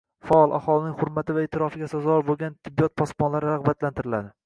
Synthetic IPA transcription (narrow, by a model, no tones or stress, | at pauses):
faɒlˠʔa̰hɒlˠɪnɪŋhʊɾmat̪ʰɪvaet̪ʰɪɾɒfɪɡʲasazɒɾbolˠɡʲant̪ʰɪbːijɒt̪̚pʰɒsmɒnlaɾɪɾaʁbat̪lant̪ʰɪɾɪlad̪ɪ